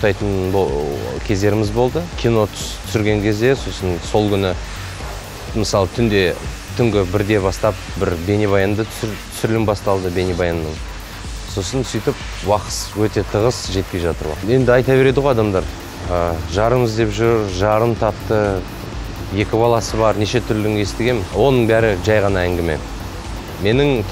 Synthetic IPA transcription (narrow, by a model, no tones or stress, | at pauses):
t̪ɑjt̪ənbkʲʰe̞zd̪e̞ɾɪmɪzbo̞lˠd̪əkʲʰijno̞t̪ʰt̪ʰʏ̥sʏɾɡʲe̞ŋkʲʰe̞zd̪e̞so̞sənso̞lˠkʲʰʏnɪ | mɪsɑlˠət̪ʰʏnd̪e̞ | t̪ʰʏŋɡʲɪbɪɾd̪e̞bɑst̪ɑp̚ | bɪɾbe̞neβɑjɑnd̪ət̪ʰsɾt̪ʰʏ̥sʏɾlɪmbɑst̪ɑlˠd̪əbe̞nebɑjɑnːən | so̞sənsʏjt̪ɪp | wɑqə̥swɵt̪e̞t̪ʰəʁəsʒe̞t̪̚kʲeʒɑt̪əɾbo̰je̞nd̪ɪɑjt̪ɑbe̞ɾe̞d̪ɪʁojɑd̪ɑmd̪ɑɾ | əʒɑɾəməzd̪e̞pʒʊɾʒɑɾəmt̪ʰɑpt̪ə | je̞kʲɪbɑlˠɑsəβɑɾne̞ʃe̞t̪ʰʏɾlɪŋest̪ɪɡʲe̞mwo̞nəɴbæɾɪʒɑjʁɑnɑæŋɡʲɪme̞̰ | me̞nɪŋ